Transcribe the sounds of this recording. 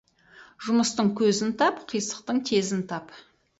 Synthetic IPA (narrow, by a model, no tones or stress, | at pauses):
ʒʊməst̪əɴkʲʰɵzɪnt̪ʰɑpqʰijsə̥q̚t̪əɴt̪ʰezɪnt̪ʰɑp